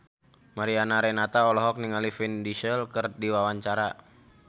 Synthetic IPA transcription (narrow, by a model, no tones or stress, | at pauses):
maɾianaɾɛnat̪aɔlɔɦɔk̚niŋalifindiʃəlkərdiwawaɲt͡ʃaɾa